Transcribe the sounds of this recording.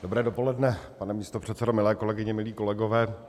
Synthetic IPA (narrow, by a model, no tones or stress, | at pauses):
d̥obɾɛːdo̞po̞lɛdnɛpanɛmiːst̪opr̝̥ɛt̪sɛdomɪlɛːko̞lɛɡɪɲɛmɪliːko̞lɛɡo̞vɛː